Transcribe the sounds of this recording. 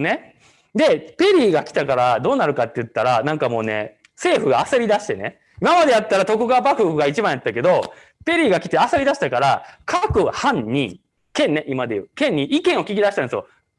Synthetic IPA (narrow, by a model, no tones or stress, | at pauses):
ne | d̪e̞pe̞ɾʲiːɡakʲi̥t̪akaɾad̪o̞ːnaɾɯ̟kat̪ːe̞jɯ̟t̪ːaɾanãŋkamo̞ːne̞̰ | se̞ːɸɯ̟ɡaːseɾʲid̪aɕi̥t̪e̞ne | imamad̪ejat̪ːaɾat̪o̞kɯ̟ɡabakɯhɯɡait͡ɕibãɰ̃jat̪ːake̞d̪o̞ | pe̞ɾʲiːɡakʲi̥t̪e̞aseɾʲid̪aɕi̥t̪akaɾakʰakɯ̟hãɲ̟ɲi | kẽ̞nːe̞ʔimad̪e̞jɯ̟ːkẽ̞ɲ̟ːiʔikẽ̞ɰ̃o̞kʲiɡʲid̪aɕi̥t̪ãnsɨjo̞